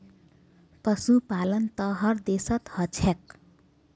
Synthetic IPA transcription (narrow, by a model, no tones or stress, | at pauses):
pʌsupalʌnt̪ʌɦʌrd̪esʌt̪hʌt͡sʰek̚